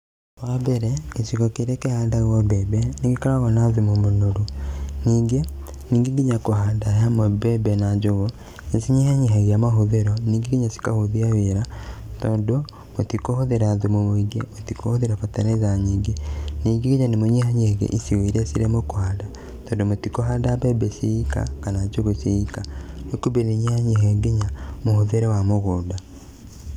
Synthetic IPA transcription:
wabeɾeisiɣɔkeɾekehaːndaɣɔbebɛneɡikaɾaɣɔnaðumomonoɾoniːŋɡe | niːŋɡiŋɡiɲakohaːndajamobebenad͡ʒoɣo | esiɲihaɲiɦaɣeamaɦoðeɾɔniːŋɡeɡiɲasi̥kahoðiaweɾatɔdo | motikohoðeɾaðumomoiɡemotikohoðeɾafataɾazaɲiːŋɡeniːŋɡeɣeɲanemoɲehaɲehɣḛʔisiweɾesiɾemokwaːda | tɔːdomotikoɦadabebeseika̰kanad͡ʒoɣoseikanekubeneɲehaɲeɦeɡeɲamohoðeɾewamoɣoːda

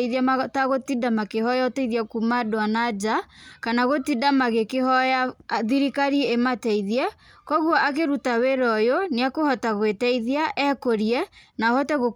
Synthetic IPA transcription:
iðiaataɣotidamakehɔjaotɛiðiakumadoanad͡ʒakanaɣotidamaɣekehɔjaðiɾikaɾiematɛiðiɛkɔɣwɔʔak̬eɾutaweɾɔjoneakohɔtaɣwetɛiðiaʔɛkoɾiɛnahɔtɛɣo

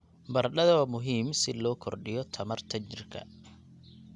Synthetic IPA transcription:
bɐrɗɐðɐmʊɦiːmsɪlɔːkʰɔrɖɪjɔt̪ʰɐmɐrt̪ʰɐt͡ʃɪrkʰɐ̰

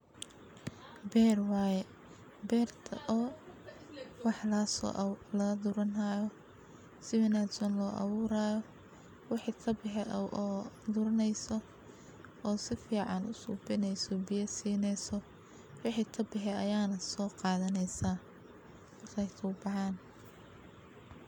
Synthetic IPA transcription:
bɛːrwɑːjɛ | bɛːrt̪ʰɐʔɔː | wɑħlɐslɐd̪ʊɾɐnaːjɔ | sɪmɪnad̪sɔnlɔːʔɑ̰βʊːɾaːjɔ | wɪħiːk̪ʰɐbɪħɛʔʔɔːd̪ʊɾɐnɛjsɔ | ɔːsɪfiːʕɑnʊ̰sʊbɪnɛjsɔbɪjɐsiːnɛjsɔ | wɪħiːk̪ʰɐbɪħɛɐjaːnɐsɔːqɑːðɐnɛjsaː | rɐjt̪ʰɐʊbɑʕɑːn

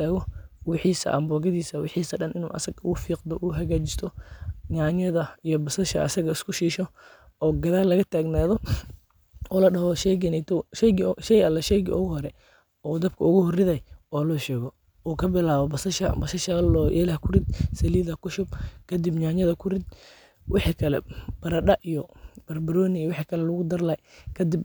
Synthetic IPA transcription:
aːɣɔwɪħiːsɐ̰ʔɐ̰mbɔːɡɐðiːsɐwɪħiːsɐɗɐnʔɪnṵːʔɐ̰sɐɡʊɣʊfiːqd̪ɔʔʊɦɐɣaːt͡ʃɪst̪ʰɔɲaːɲɐðɐijɔbɐsɐʃɐ̰ʔɐ̰sɐɣɐɪskʰʊʃiːʃɔɔːɡɐðaːlːɐɣɐt̪ʰaːɡnaːðɔ | ɔːlɐɖɐɦɔʃɛɡɪnɛt̪ʰɔʃɛɡʃɛjɐlːɛʃɛjɣɪɔːhɔɾɛ | ɔːd̪ɐbkʰɐʊɣʊhʊrɪðɐjɔːlɔːʃɛːɣɔ | uːkʰɐbɪlaːβɔbɐsɐʃɐ̰bɐsɐʃalɔːʔɛ̰ːlɐhkʰʊrɪd̪̚sɐliːðɐkʊʃʊb̚kʰɐd̪ɪbɲaːɲɐðɐkʰʊɾɪd̪ | wʔɑħikʰɐlɛ̰b̥ɐɾɐɖɐʔijɔb̥ɐrbɐɾɔːnɪijwɑħiːkʰɐlɛlʊɣʊd̪ɐrlɐjkʰɐd̪ɪb

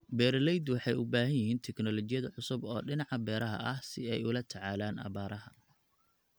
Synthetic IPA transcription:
bɛːɾlɛjd̪wɑħɑjʊbaːɦɐjɪɦiːnt̪ʰɛknɔlɔt͡ʃɪjɐðɐʕʊsʊbɔːɖɪnɑʕɑbɛːɾɐɦɐ̰ʔɐhsɪɛjʊlɐt̪ʰɐʕɑːlaːnɑ̰βaːɾɐɦɐ

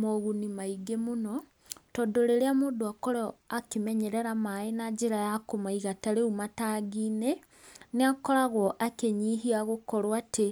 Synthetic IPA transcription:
moɣunimaiɡemunɔ | tɔdoɾeɾeamoːduakoɾɔakimeɲeɾeɾamaenad͡ʒiɾajakomaiɣataɾeumataːɡiːne | neakɔɾaɣwɔʔakeɲiɦiaɣokɔɾwatʰe

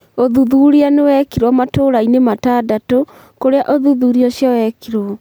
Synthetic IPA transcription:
oðuðuɾianewɛkiɾwɔmatoɾainematadato | koɾeaʔoðuðuɾiɔɕjawɛkiɾɔ

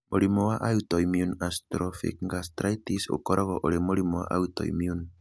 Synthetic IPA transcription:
mʔolimɔwaʔaut̪ɔimiunast̪ɾɔfḭkŋɡas̬t̪ɾajt̪iso̰kɔɾɔɣɔʔoɾemolimɔwa̰ʔa̰ut̪ɔ̰ḭmiun

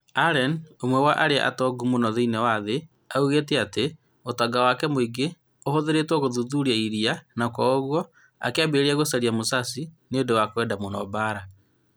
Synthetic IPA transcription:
aɾɛnomwɛwaʔaɾeaʔa̰tɔɡumonɔðeinɛwaðe | auɣetɛate | otaɡawakɛmoiɡe | ohoðeɾetwɔɣoðuðuɾiaiɾianakɔɣwɔ | a̰keabeɾiaɣosaɾiamosasi | nedowakwɛdamonɔbaɾa

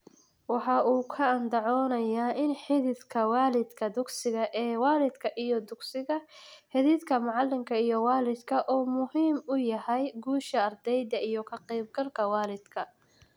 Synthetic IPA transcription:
wɑħɑuːkʰɐːnd̪ɑʕɔːnɐjaːʔɪnħɪðɪðkʰɐwɑːlɪd̪kʰɐd̪ʊɡsɪɣɐʔɛːwɑːlɪd̪kʰɐʔijɔd̪ʊɡsɪɣɐħɪðɪθkʰɐmʊʕɑlːɪŋkʰɐijɔwɑːlɪd̪kʰɐʔuːmʊɦiːmʊjɐhɛjɡuːʃɐːrd̪ɛjðɐijɞkʰɐqiːb̚ɡɐlkʰɐwɑːlɪd̪kʰɐ

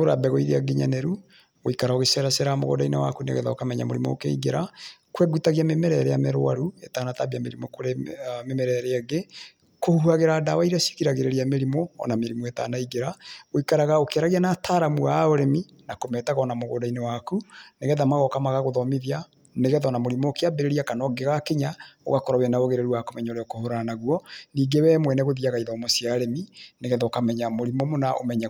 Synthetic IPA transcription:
oɾa̰bɛɣɔiðeaɡiɲa̰nɛɾu | oikaɾaoɣesɛɾasɛɾamo̰ɣo̰dainewa̰kunḛɣɛ̰ða̰okamɛɲa̰moɾimo̰ːkḛḭɡeɾakwɛɡutaɣiamemɛɾɛɾɛjamɛɾo̰a̰ɾuetanatabiameɾimokoɾememɛɾɛɾeaɡe | kohhuaɣeɾaːdawaiɾasi̥kiɾaɣeɾeɾiameɾimoɔ̰nameɾimoeta̰ːnaiɡeɾaoikaɾaɣaokeaɾaɣianatʰaːɾamuaoɾemi | nakomɛtaɣaɔnamoɣo̰dainewakuneɣɛðamaɣɔkamaɣaɣoðɔmeðia | neɣɛðɔnamoɾimokeabeɾeɾiakanɔɡeɣakeɲao̰ɣakɔɾawɛnaoɣeɾeɾuakomɛɲoɾɛɔkohoɾanaɣwɔniːɡewɛːmwɛnɛɣoðiaɣaiðɔmosiaɾemineɣɛðɔkamɛɲamoɾimomonaʔo̰mɛɲa

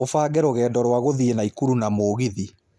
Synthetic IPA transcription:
ofaːɡɛɾoɣɛːdɔɾwaɣoðienaikuɾunamoːɣiði

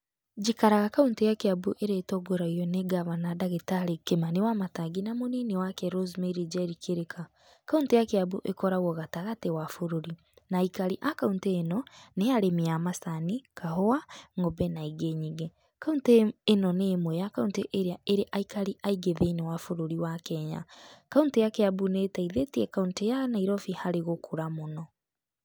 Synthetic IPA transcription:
d͡ʒikaɾaɣakauntejakeabuʔeɾeːtɔɡoɾaiɔneɡaβanadaɣetaɾekemanewamataɡinamoninewakɛɾozmeɾid͡ʒaeɾikʰeɾekʰa | kauntejakeaβuʔekɔɾaɣɔɣataɣatewafoɾoɾi | naikaɾiʔakaunteːnɔneaɾemiamasanikaɦɔaŋobɛnaiɡeɲiɣe | kaunteːnɔnemwɛjakaunteʔeɾeaeɾeʔaikaɾiʔaiɡeðenewafoɾoɾiwakɛɲa̰kauntejakeabuneːtaiðetiɛkauntejanaiɾɔfihaɾeɣokʰoɾamonɔ

